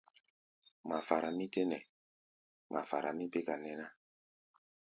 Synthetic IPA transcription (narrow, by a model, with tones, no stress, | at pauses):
ma˨fa˨ɾa˨mĩ˦te˦nɛ˨ | mʔa̰˨fa̰˨ɾa˨mĩ˦be˦ka˨nɛ˨na˦